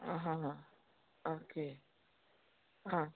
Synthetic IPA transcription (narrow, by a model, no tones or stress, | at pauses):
ãɦãɦã | oke | ɦã